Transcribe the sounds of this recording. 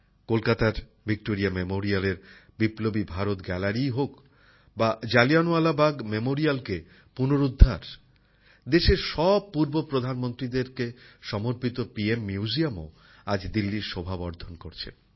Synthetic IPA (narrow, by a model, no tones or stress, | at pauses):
kolkat̪aɾ | bik̚ʈoɾiamemoɾialeɾbiplobibʱaɾot̪ɡɛlaɾiɦok | bad͡ʑalianualabaɡmemoɾialke | punoɾud̪ʱːaɾ | d̪eʃeɾʃɔb̚pːuɾbopɾod̪ʱanmont̪ɾid̪eɾkeʃɔmoɾpit̪opiemːiud͡ʑiamo̰ | ad͡ʑd̪ilːiɾʃɔbʱabɔɾd̪ʱonkoɾt͡ɕʰḛ